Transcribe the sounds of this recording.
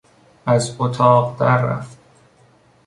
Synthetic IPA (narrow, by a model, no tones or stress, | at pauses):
æzot̪ʰɒːɢd̪æɾːæ̰ft̪